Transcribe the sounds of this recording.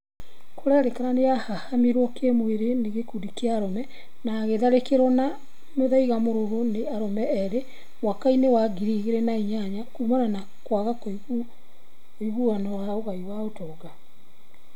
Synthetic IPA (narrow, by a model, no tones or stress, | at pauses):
koɾaɾekaɾaneahahamiɾwɔkemweɾeneɣekuɾikeaːɾɔmɛ | naːɣeðaɾekeɾɔna | moðaiɣamoɾoɣoneaɾɔmɛɛɾe | mwakainewaɡiɾiɣeɾɛnaiɲaɲakumanana | kwaɣako | oiɣuanɔwaoɣaiwaotɔɣa